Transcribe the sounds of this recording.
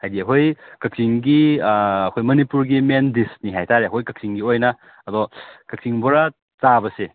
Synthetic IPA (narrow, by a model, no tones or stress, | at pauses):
hajdiɐɦojkɐk̚siŋɡiː | kʰojmɐnipuɾɡimendisniɦajtʰaɾeɐɦojkɐk̚siŋɡiojnɐ | ɐdɔkɐk̚siŋbɔɾa | t͡ʃabɐse